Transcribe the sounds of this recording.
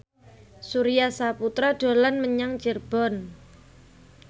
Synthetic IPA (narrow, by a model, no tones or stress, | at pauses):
suɾijasaput̪ɾaɖ̥o̤lanməɲaŋt͡ʃirb̥ɔ̤n